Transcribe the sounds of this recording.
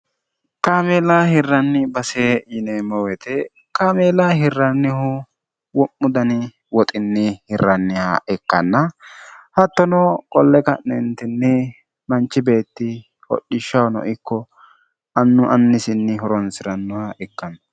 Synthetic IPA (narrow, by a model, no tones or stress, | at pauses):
kaːmeːlaːhɪrːɐnːɪbɐseːɪnɛmɔwɛt̪ɛ | kaːmeːlaɦɪrːɐnːɪhʊ | wɔmːʊd̪ɐnɪ | wɔt̪ʼɪnːɪhɪrːɐnːɪha̰ʔɛkːɐ̰nːɐhɐt̪ːɔnɔkʼɔlːɛkɐ̰ʔnɛnt̪ɪnːɛ | mɐnt͡ʃːɪbe̞ːt̪ːɪ | hɔ̰ɗːɪʃːɐwnɔ̰ʔɪkːɔ | ɐnːʊʔɐnːɪsɪnːɪɦɔɾɔnsɪɾɐnːʊhaʔɛkːɐn